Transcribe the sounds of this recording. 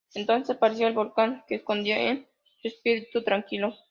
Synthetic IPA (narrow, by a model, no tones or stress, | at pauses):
ent̪o̞nsespaɾes̬joelβolkaŋkeːsko̞nd̪jioʔen | suespiɾit̪ut̪ɾaŋkilo